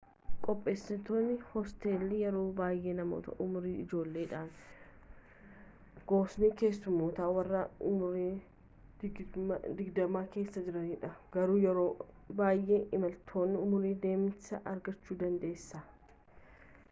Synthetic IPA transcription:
kʼɔpʼːe̞ːsɪt̪oːnːɪhɔst̪e̞ːlːɪjɛɾo̞ːbaːjʔe̞ːnɐmo̰ːt̪ɐ̰ʔʊmʊɾiːɪd͡ʒo̞ːlːe̞ːᶑaːn | ɡ̥o̞ːsniːke̞ːsːʊmːoːt̪aːwɐrːaːʊmʊɾi̥ː | d̪ɪɡd̪ɐmaːke̞ːsːɐd͡ʒɪɾɐniːᶑɐɡɐɾuːjɛɾo̞ː | baːjʔe̞ːɪmɐlt̪ʰo̞ːnːɪʊmʊɾiːd̪e̞ːmsɐʔɐɾɡɐt͡ʃːuːd̪ɐnd̪ɐeːsːɐ

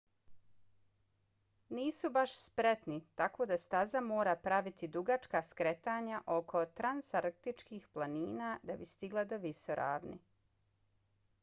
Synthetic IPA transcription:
niːsubaʃspɾet̪nit̪ako̞ːd̪ast̪azamoːɾapɾaʋit̪id̪uɡat͡ʃkaskɾet̪aːɲaʔo̞kʰo̞t̪ɾansaɾk̚t̪it͡ʃkiːxplˠaniːnaːd̪abist̪iɡlˠad̪oʋisoɾʔa̰ːʋnḭ

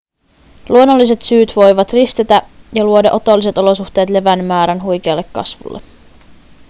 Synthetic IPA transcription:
luonːolːise̞t̪syːt̪ʋo̞jʋɑt̪rist̪et̪æjɑluo̞dɑʔo̞t̪o̞lːise̞t̪o̞lo̞suxt̪e̞ːt̪le̞ʋænmæːɾænɦujk̟eɑːlːe̞kːɑ̰sʋṵlːḛ

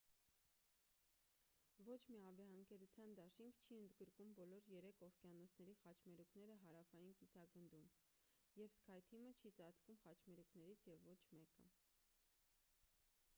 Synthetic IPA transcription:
vɔt͡ʃʰmiɑbɛɑəŋkɛɾut͡sʰjɑnd̪ɑʃiŋkʰt͡ʃʰiənd̪ɡəɾkumbɔlɔɾjɛɾɛkʰɔvkjɑnɔt͡sʰnɛɾiχɑt͡ʃʰmɛɾukʰnɛɾəɦɑɾɑfɑjinkisɑɡənd̪un | jɛvskʰɑjt̪ʰimət͡ʃʰit͡sɑt͡skumχɑt͡ʃʰmɛɾukʰn̪ɛɾit͡sʰjɛvːɔt͡ʃʰmɛkə̰

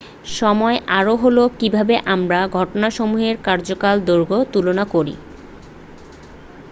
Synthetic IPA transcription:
ʃɔmɔeʔaɾoɦolokibʱabeʔamɾaɡʱɔʈonaʃomuɦeɾkaɾd͡ʑokald̪oɾɡʱot̪ulonakoɾḭ

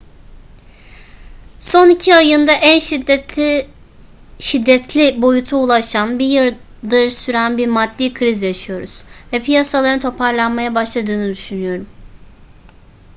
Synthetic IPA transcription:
so̞nicʰiajɯnd̪aʔænʃid̪ɛ | ʃid̪ːɛt̪ʰlʲibo̞jut̪ʰuulˠaʃanbijɯɾ | d̪ɯɾsyɾænbiɾmad̪ːiːkʰɾizjaʃɯjo̞ɾuz̥vɛpʰijasalˠaɾɯnt̪ʰo̞pʰaɾlˠanmajabaʃlˠad̪ɯːnɯd̪yʃynyjo̞ɾum

